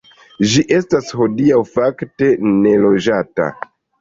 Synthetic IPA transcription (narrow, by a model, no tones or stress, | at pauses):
d͡ʒiʔe̞stasho̞diawfakte̞ne̞lo̞d͡ʒata̰